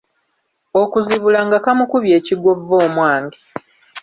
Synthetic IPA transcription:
o̞kuziβulaŋɡakamukuβje̞ːciɡo̞vːo̞ːmwaːŋɡi

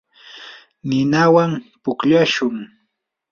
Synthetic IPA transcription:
nɪnawampʊkʎaʃʊŋ

